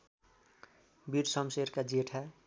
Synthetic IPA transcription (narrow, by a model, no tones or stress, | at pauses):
biɾsʌmseɾkad͡ʒeʈʰa